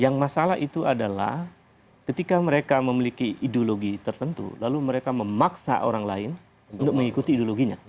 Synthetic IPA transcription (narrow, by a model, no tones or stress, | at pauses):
jaŋmasalaɦʔit̪uadala̰h | kət̪ikaməɾekaməmilikiidoloɡit̪ərt̪ənt̪ṵlaluməɾekaməmaksa̰ʔo̰ɾaŋlaɪn | uunt̪ʊk̚məŋikut̪iːdoloɡiɲa̰